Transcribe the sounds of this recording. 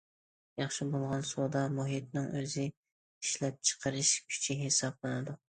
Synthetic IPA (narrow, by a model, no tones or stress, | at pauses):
jɑχʃɪbolˠʁɑnsod̪ɑmuɦit̪̚nɪŋøzɪ | iʃlɛp̚t͡ʃʰə̥qʰəɾɨʃkʲʰy̥t͡ʃʰiɦesɑblˠɨnɨd̪u